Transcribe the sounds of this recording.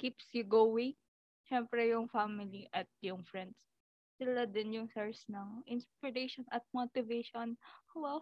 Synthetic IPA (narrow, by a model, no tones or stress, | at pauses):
kipsjʊɡowɪŋ | ʃɛmpɾɛjʊŋfamɪliʔɐt̪̚jʊŋfɹɛnd̪s | sɪlad̪ɪnjʊŋsɛɹsnɐŋʔɪnspɪɾejʃonʔɐt̪̚mot̪ɪveʃonwa